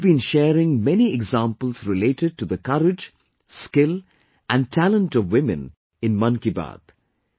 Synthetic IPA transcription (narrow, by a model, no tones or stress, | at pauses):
bĩnʃɛːɾɪ̃ŋmɛniɛɡzãmpəl̩ˠzɾɪleɪʈɪɖ̚ʈuðəkʌɾɪd͡ʒ | skɪl | ʔæ̃n̚ʈʰælə̃nʈɔvwɪ̃mɨ̰̃n | ɪ̃nmʌ̃nkiba̰d̪̥